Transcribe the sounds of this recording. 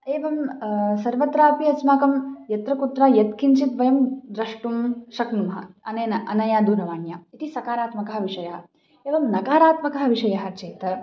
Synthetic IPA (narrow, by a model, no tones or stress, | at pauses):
eːʋɐmsɐɾʋɐt̪ɾaːpiɐsmaːkɐmjɐt̪ɾɐkut̪ɾaːjɐt̪kʰint͡ʃit̪ʋɐjɐmd̪ɾɐʂʈumʃɐknumɦɐ̰ɐneːnɐʔɐnɐjaːd̪uːɾɐʋaːɳjaːit̪isɐkaːɾaːt̪mɐkɐɦɐ̆ʋiʂɐjɐɦɐ̆ | eːʋɐmnɐkaːɾaːt̪mɐkɐɦɐ̆ʋiʂɐjɐɦɐ̆t͡ʃeːt̪ɐ